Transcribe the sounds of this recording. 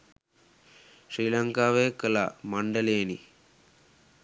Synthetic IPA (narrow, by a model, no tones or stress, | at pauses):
ʃɾiːlɐŋkaːʋeːkɐlɐ̰mɐɳɖɐleːni